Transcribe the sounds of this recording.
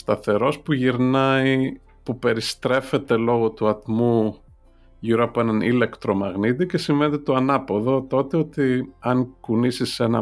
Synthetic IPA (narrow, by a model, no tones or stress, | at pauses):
st̪ɐθe̞ɾo̞spuʝiɾnɐi | pupe̞ɾist̪ɾe̞fe̞t̪e̞lo̞ɣo̞t̪uɐt̪mu | ʝiɾoɐpoe̞nɐnḭle̞kt̪ɾo̞mɐɣnit̪̬ice̞siɱvenet̪et̪oɐnɐpo̞ðo̞t̪o̞t̪e̞o̞t̪iɐŋkunisise̞nɐ